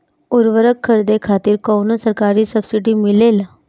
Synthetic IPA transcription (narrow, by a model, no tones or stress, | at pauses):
uɾʋəɾəkʰːəɾd̪ekʰaːt̪iɾkownosəɾkaːɾisəbsiʈimɪlela